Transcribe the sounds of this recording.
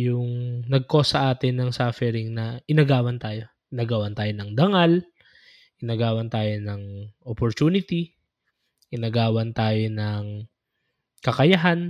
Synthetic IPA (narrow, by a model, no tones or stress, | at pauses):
jʊŋnɐɡ̚ko̞sɐʔaːt̪ɪnːɐŋsaːfɛɾɪŋnɐʔɪnɐɡaːwɐnt̪aːjo̞ | ʔɪnɐɡawɐnt̪aːjonɐŋd̪ɐŋal | ʔɪnɐɡaːwɐnt̪aːjo̞nɐŋʔopoɾt̪uːnɪt̪i | ʔɪnɐɡaːwɐnt̪aːjo̞nɐŋ | kɐkɐjɐɦan